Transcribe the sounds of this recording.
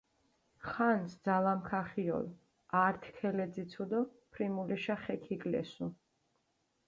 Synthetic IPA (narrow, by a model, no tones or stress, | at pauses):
χansd̪zalamkʰaχiɔ̰l | aɾt̪ʰkʰɛlɛd̪zit̪sʰud̪ɔpʰɾimulɛʃaχɛkʰikʼlɛ̰su